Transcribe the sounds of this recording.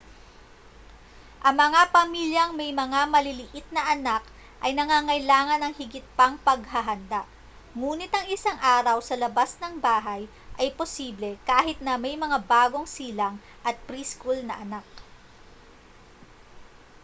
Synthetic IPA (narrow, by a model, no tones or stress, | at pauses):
ʔɐŋmɐŋapɐmiːljɐŋmɐjmɐŋamɐlɪlɪʔɪt̪̚nɐʔɐnak | ʔɐjnɐŋaːŋɐjlaːŋɐnɐŋhɪɡɪt̪̚pɐŋpɐɡɦɐɦɐnd̪aʔ | ŋuːnɪt̪ɐŋɪsaŋʔaːɾɐwsɐlɐbasnɐŋbaːɦɐj | ʔɐjposiːblɛkaːhɪt̪̚nɐmɐjmɐŋabaːɡo̞ŋsiːlɐŋ | ʔɐt̪̚pɾiskulnɐʔɐnak̚